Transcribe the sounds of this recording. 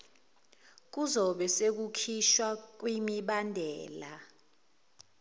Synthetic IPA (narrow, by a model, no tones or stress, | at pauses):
k̬uzɔɓɛsek̬ukʰiʃwak̬wimiɓandʱɛːla